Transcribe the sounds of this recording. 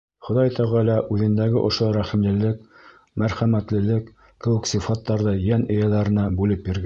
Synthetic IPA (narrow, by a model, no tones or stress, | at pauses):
χŏðɑjt̪ʰɑʁɑlæʔʉðɘ̆nd̪æɡɘʔŏʃoɾæχĭmlɘ̆lɘk | mæɾχæmæt̪lɘ̆lɘkː | ɘ̆wɘ̆ksifɑt̪ːɑɾðɤjænɘ̆jælæɾɘ̆næbʉlɘp̚biɾɡæ